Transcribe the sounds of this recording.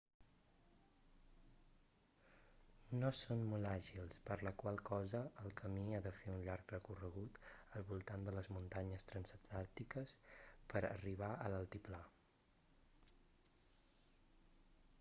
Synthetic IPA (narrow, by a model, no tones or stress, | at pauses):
nosonmolˠaʒilˠspəɾləkwalˠkɔzəːlˠkəmiaðəfeunʎaɾkrəkurəɣut̪əlˠβulˠt̪and̪ələzmunt̪aɲəst̪ɾənsət̪alˠt̪ikəspəɾə̰riβ̞aʔələlˠt̪ipla